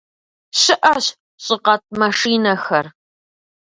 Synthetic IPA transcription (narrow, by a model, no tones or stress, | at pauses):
ɕɪʔɐɕ | ɕʼɪqɐt̚ʼmɐʂiːnɐxɐr